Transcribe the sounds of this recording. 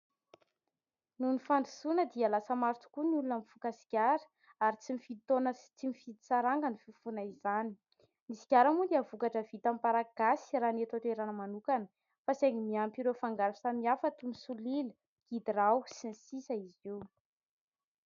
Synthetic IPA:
nunifand̪u̥sunəd̪ialasəmaɾt͡su̥kuniulunamfukasi̥kʲaɾə̥ | aɾit͡simifit̪onət͡simifid̪i̥saɾaŋɡanififunaizani̥ | nisi̥kʲaɾamund̪iavukaʈ͡ʂəvit̪amipaɾaɡ̥asi̥raːnet̪at̪eɾanəmanukanə̥ | faseŋimiampiɾefaŋɡaɾusamiafət̪umisulil | ɡ̥id̪irawsinisisəiziw

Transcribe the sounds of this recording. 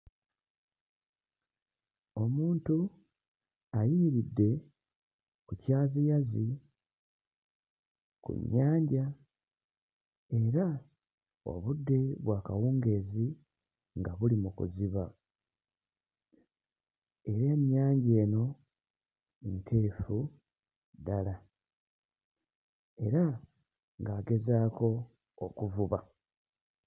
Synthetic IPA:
o̞muːntu | ajiiɾidːe̞ | kucaːzijazi | kṵɲːaːɲɟa | e̞ɾa | o̰βudːe̞βwaːkawuːŋɡe̞ːzi | ŋɡaβulimukṵziβa | e̞ɾeːmjaːɲɟe̞ːno̞ | entʰeːfu | dala | e̞ɾa | ŋɡaːɡe̞zaːko̞ | okuvuβa

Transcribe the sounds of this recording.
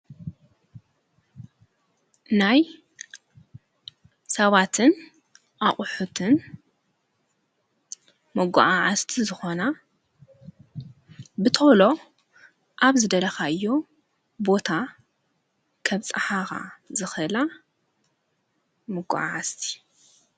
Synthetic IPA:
naj | sɐβat̪ʰɨn | ʔaχʼʊħut̪ʰɨn | mɐɡʷa̰ʔaʕast̪ʰizɨxo̞na | bɨt̪ʰolo̞ | ʔaβzɨd̪ɐlɐxaʔɨjːo̞ | bo̞t̪ʰa | kʰɐβt͡sʼaħaxa̰zɨxɨla | mɨɡʷa̰ʕa̰ʕast̪ʰi̥

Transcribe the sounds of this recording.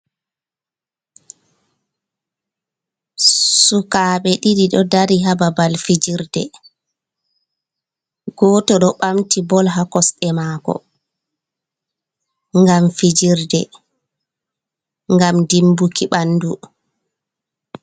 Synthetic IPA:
sukaːɓɛɗiɗiɗɔdaɾiɦababalfid͡ʒiɾdɛ̰ | ɡ̥ɔːtɔɗɔɓamtibɔlɦakɔsɗɛmaːkɔ̰ | ŋɡamfid͡ʒiɾdɛ̰ | ŋɡamdimbukiɓandu

